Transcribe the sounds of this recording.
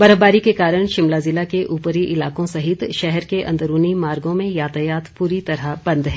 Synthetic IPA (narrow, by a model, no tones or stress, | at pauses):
bɐɾəɦbaːɾikekaːɾəɽ̃ʃɪmlazɪlakeʔuːpəɾiʔɪlaːkõsɐɦɪt̪ʃɛɦɛɾkeʔɐ̃nd̪əɾuːnimaːɾɡõmẽjaːt̪əjaːt̪puːɾit̪ɐɾabɐ̃nd̪ɦɛ̃ː